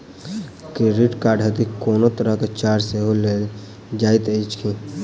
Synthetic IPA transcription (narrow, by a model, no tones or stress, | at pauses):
kiɾiʈkaːɖɦət̪ikoːnot̪əɾəket͡ʃaːɾseɦole | d͡ʒaːɪt̪eit͡ʃkʰĩ